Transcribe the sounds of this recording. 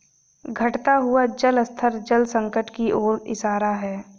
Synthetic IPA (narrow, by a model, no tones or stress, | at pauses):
ɡʱɐʈt̪aɦʊad͡ʒələst̪ʰəɾd͡ʒəlsə̃ŋkəʈkiʔoːɾɪ̰ʃaːɾaɦɛː